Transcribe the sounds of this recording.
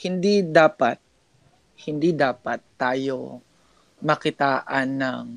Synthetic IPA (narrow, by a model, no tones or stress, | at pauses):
hɪnd̪id̪aːpat̪̚ | hɪnd̪id̪aːpɐt̪ːaːjo | mɐkɪt̪aːʔɐnːɐŋ